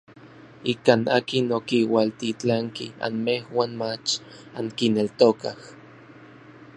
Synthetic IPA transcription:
ikaːna̰ːkinokiwalt̪it͡ɬaŋkia̰nmehwaːnmat͡ʃ | aŋkinelt̪okah

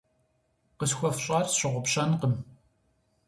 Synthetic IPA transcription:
qəsxʷɔfɕʼɑːrɕɪʁʷʊpɕɐnqəm

